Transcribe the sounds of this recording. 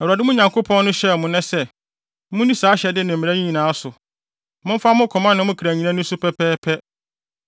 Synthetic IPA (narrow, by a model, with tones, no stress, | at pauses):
ɛ˨wu˨a˨dɪ˦mʊ̃˦ɲã˨ŋkʰo˦pʰɔ̃˦nnʊ̃˦ɕɛ˦˨mʊ̃˨nɛ̃˦sɛ˦ | mʊ̃˦nĩ˦saː˨˦ɕɛ˨dɪ˦nɪ̃˨m̩˨mĩ˨æ˦ɲĩ˦ɲĩ˨nã˨˦a˦sʊ˨ | mʊ̃˦m̩˦fa˦mʊ̃˦kʰɔ˨mã˦nɪ̃˦mʊ̃˦kʰi˨ɾæ˨ɲĩ˨nã˦nʊ̃˦sʊ˦pʰɛ˦pʰɛː˦pʰɛ˦